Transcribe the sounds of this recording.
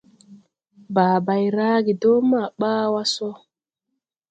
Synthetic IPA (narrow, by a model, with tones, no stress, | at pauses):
baː˨ba˨jɾaː˦ɡi˨do˦ma˨ɓaː˦wa˦sɔ˦